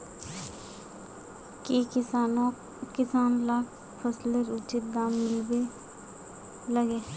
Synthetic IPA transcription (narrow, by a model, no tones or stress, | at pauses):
kekɪsaːnõ | kɪsaːnlaːkʰ | pʰəsleɾʊt͡ʃɪt̪̚d̪aːmːɪlbe | ləɡeː